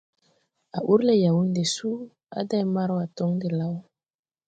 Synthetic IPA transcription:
a̰˨ʔu˦ɾle˨ja˨wu˦nde˨su˦ | a̰˦da˦jma˦ɾwa˨tɔ˦ŋde˨la˦w

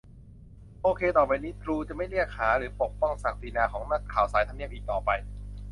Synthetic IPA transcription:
ʔoː˧kʰeː˧t̪ɔː˨˩pa˧jniː˦˥t̪ʰɾuː˧t͡ɕa˨˩ma˥˩jli˥˩ək̚haː˩˦ɾɯː˩˦po˨˩k̚pɔ˥˩ŋsaː˨˩k̚t̪i˧naː˧kʰɔː˩˦ŋna˦˥kʰːaː˨˩˦wsaː˩˦jt̪ʰa˧mni˥˩əpʔiː˨˩k̚t̪ɔː˨˩pa˧j

